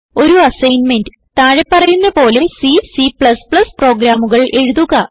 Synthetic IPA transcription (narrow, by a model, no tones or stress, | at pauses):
o̞ɾuɐsɐjnmendɨ | t̪aːɻepːɐrɐjunːɐpo̞ːlesisipɭɐspɭɐspro̞ːɡɾaːmuɣɐɭʔe̞ɻuðuɣɐ